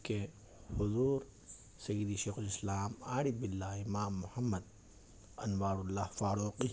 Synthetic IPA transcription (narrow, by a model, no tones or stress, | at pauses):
ke | hʊzuːɾ | sɐjid̪iʃeːxʊlɪslaːmaːɽibɪlːaːɪmaːmːʊhɐmːɐd̪ | ɐnʋaːɾʊlːaːhfaːɾuːqi